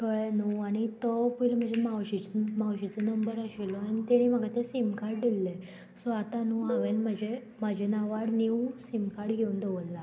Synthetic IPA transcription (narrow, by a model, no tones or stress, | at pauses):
kəɭenuaɽ̃it̪ɔpələm̤əd͡zemawɕit͡smawɕit͡sənəmbəɾəɕilɔaɽit̪eɽ̃iməɡʱat̪esimkaɾʈd̪ilːe | sɔat̪anuːaʋẽnm̤əd͡ʑʱe | mad͡ʑʱenaʋaɽniwsimkaɽɡʱeund̪eʋəlːa